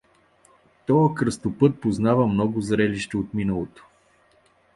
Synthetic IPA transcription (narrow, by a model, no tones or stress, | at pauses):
t̪ɔəkɾəst̪opɤt̪̚poznavəmnɔɡʊzɾɛliʃt̪ɛot̪minəlˠot̪o̥